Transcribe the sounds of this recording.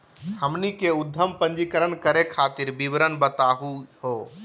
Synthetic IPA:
həmnikeʊd̪ʱːəmpə̃ɲd͡ʒikəɾənkəɾekʰaːt̪iɾbibɾənbət̪aːɦuɦoː

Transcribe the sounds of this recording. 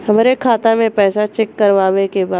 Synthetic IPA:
hɐmːɾekʰaːt̪amẽpɛːsat͡ʃɛkːɐɾʋaːʋekebaː

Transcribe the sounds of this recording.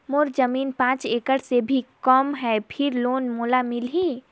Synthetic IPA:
moɾd͡ʒəmiːnpãːt͡ʃeːkəɽsebʱikɔmɦɛpʰɪɾloːnmoːlamɪlɦĩː

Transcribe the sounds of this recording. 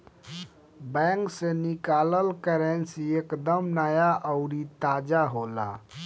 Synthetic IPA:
bɛ̃ŋksenikaləlkəɾensiekd̪əmnəjaʔəʊɾit̪ad͡ʒaɦola̰

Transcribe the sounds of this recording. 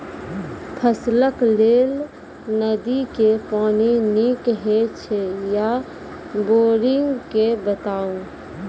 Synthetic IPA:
pʰəsləklel | nəd̪ikepaninikɦet͡ʃʰɛja | boɾiŋɡkebət̪aũ

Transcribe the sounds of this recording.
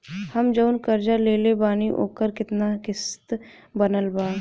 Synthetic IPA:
həmd͡ʒəwnkəɾd͡ʒaleːlebaːñiʔo̰ːkəɾkɪt̪nakɪst̪ | bənəlbaː

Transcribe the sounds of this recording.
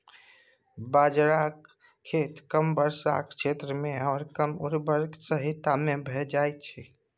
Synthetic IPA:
baːd͡ʒɾaːkʰː | eːt̪kəmbəɾsa̰kʃeːt̪ɾəmẽɔːɾkəmʊɾbəɾksəɦɪt̪amẽbʱɛd͡ʒaːet̪t͡ʃʰeː

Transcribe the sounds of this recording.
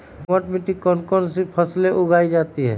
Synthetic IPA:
ɔʈmɪʈikɔnkɔnsipʰəsleʔʊɡʱaːid͡ʒaːt̪iɦɛ̰ː

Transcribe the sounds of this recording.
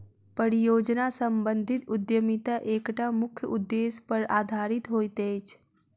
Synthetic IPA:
pəɾijoːd͡ʒnasəmbənd̪ʱit̪ʊd̪jəmit̪aʔeːkʈamʊkʰjəʔud̪ːespəɾaːd̪ʱaːɾit̪ɦoːjt̪et͡ʃʰ

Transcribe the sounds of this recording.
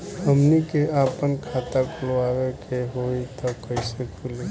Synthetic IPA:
ɦəmnikeaːpənkʰaːt̪akʊloaːwekʰeɦoːit̪ɔkəisekʰuli

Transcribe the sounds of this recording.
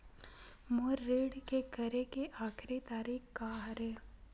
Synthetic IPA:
moːɾːeːɽkekəɾekeʔaːkʰɾit̪aːɾiːkkaɦɾeː

